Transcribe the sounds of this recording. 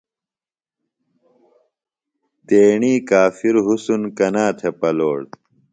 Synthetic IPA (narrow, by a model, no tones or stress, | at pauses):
t̪eːɳiːkaːfiɾɦusunkɐnaːt̪ʰepɐloːɽ